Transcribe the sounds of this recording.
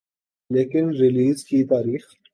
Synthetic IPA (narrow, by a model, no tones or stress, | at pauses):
leːkɪnɾɪliːzkit̪aːɾiːx